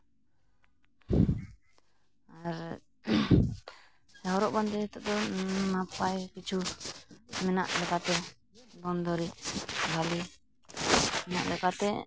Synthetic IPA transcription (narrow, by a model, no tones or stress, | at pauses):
aɾ | aɔɾɔʔband̪ɛɛt̪ɔʔd̪ɔnapajkit͡ʃʰu | mɛna̰ʔlɛkat̪ɛ | d̪ɔnd̪ɔɾibʱali | mɛna̰ʔlɛkat̪ɛ